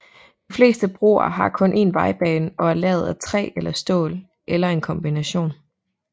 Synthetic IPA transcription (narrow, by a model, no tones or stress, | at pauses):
d̥ifle̝̰ːsd̥əb̥ʁo̝̰ːɐ̰ɦɑ̈kʰɔ̽nʔe̝̰ːnʋɑ̈ɪb̥ɛːnɒ̽æɐlɛ̰ːʊð̞̩ˠæt͡sʰʁɛ̰ːelɐsd̥ɔ̰̽ːl | ʔelɐe̝nkʰɒ̽mb̥inæɕo̝̰ːn